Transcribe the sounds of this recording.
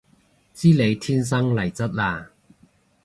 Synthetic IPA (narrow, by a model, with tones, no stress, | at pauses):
t͡siː˥le˨˧jt̪ʰiː˥ns̬ɐ˥ŋlɐ˨˩jt͡sɐ˥t̚laː˧